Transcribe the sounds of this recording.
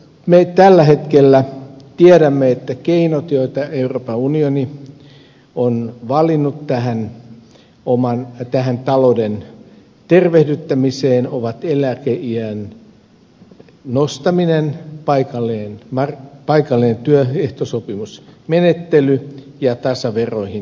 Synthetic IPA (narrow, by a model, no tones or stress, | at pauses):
met̪ælːæhet̪kelːæ | t̪iæɾæmːeet̪ːækeinot̪joit̪ɑeuropɑunioni | onʋɑlinːut̪t̪æhæn | omɑnt̪æɦænt̪ɑloden | t̪erʋehdyt̪ːæmiseːnoʋɑt̪elækeiæn | nost̪ɑminenpɑikɑlːeːnmɑrpɑikɑlːinent̪yøeht̪osopimusmenet̪ːely | jɑt̪ɑsɑʋeroihin